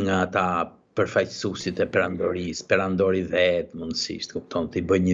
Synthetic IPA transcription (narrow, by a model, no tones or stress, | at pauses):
ŋɡaːt̪a | pəɾfajtəsusit̪ɛpɛɾand̪ɔɾispɛɾand̪ɔɾivɛt̪mund̪sḭʃt̪kupt̪ʰɔnt̪ibəjɲə